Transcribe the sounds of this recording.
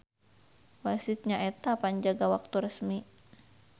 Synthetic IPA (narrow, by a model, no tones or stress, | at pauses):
wasɪt̪̚ɲaʔɛt̪apaɲd͡ʒaɡawak̚t̪uɾəsmi